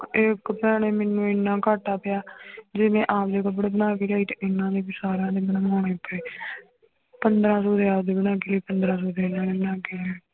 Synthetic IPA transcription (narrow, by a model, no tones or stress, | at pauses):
ɪkpənaːneːmɛːnũːɪnːãːkaːʈaːpɪjaːd͡ʒeːʋẽːʔaːpd̪eːkəbɽeːbənaːkeːlaːiːt̪eʔɪnːãːd̪eːbɪsaːɾãːd̪eːmənũːoːɽ̃eːpɾeː | pənd̪ɾãːsoːd̪eːaːd̪eːbənãːɡeːləiːpənd̪ɾãːsoːd̪enãːneːbənãːɡeːleː